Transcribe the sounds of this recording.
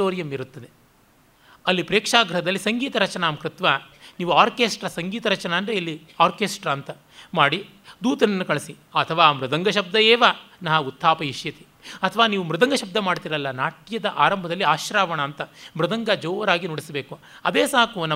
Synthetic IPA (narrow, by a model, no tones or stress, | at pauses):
oːɾijɐmiɾut̪ːɐd̪e | ɐlːipɾeːkʂaːɡɾɐɦɐd̪ɐlːisɐŋɡiːt̪ɐɾɐt͡ʃɐnaːmkɾɪt̪ʋaniːʋuaːɾkeːsʈɾɐsɐŋɡiːt̪ɐɾɐt͡ʃɐnɐːnd̪ɾeilːi | aːɾkeːsʈɾɐnt̪ɐ | maːɽi | d̪uːt̪ɐnɐnːukɐɭɐsi | ɐt̪ʰɐʋaːmɾud̪ɐŋɡɐʃɐb̚d̪ɐɛːʋɐnɐɦɐut̪ʰːaːpɐɦiʂjɐt̪i̥ | ɐt̪ʰɐʋaːniːʋumɾud̪ɐŋɡɐʃɐb̚d̪ɐmaːɽt̪iːɾɐlːɐnaːʈjɐd̪ɐʔaːɾɐmbʱɐd̪ɐlːiaːʃɾaːʋɐɳɐːnt̪ɐmɾud̪ɐŋɡɐd͡ʒɔːʋɐɾaːɡinoɽisɐbeːku | ɐd̪eːsaːkunɐ